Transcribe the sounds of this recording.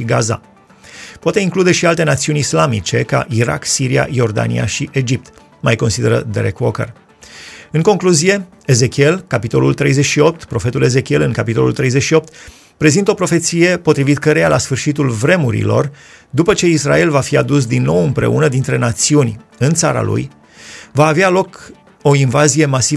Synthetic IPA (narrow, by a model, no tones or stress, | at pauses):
ʃiɡaza̰ | poat̪e̞iŋklud̪e̞ʃialt̪e̞nat̪siunʲislamḭt͡ʃe̞ka̰ʔiɾa̰ksiɾia̰jo̞rd̪a̰nḭa̰ʃiʔe̞d͡ʒip̚t̪ | majko̞nsid̪e̞ɾə̰d̪eɾekwokə̰r | ɨŋko̞ŋkluzije̞ | eze̞kʲie̞lkapit̪o̞̰lult̪ɾe̞jzet͡ʃʃio̞p̚t̪pɾo̞fe̞t̪ule̞ze̞kʲie̞lɨŋkapit̪o̞lṵlt̪ɾe̞jze̞ʃio̞p̚t̪ | pɾe̞zint̪əo̞pɾo̞fe̞t̪sije̞po̞t̪ɾivit̪kəɾe̞jalasfɨrʃit̪ulvɾe̞muɾḭlo̞̰r | d̪upət͡ʃe̞isɾa̰e̞lvafiad̪us̬d̪inːo̞wɨmpɾe̞̰ṵnəd̪in̪t̪ɾe̞nat̪siunʲɨnt̪saɾa̰lṵj | vaːvealo̞k | o̞invazije̞masi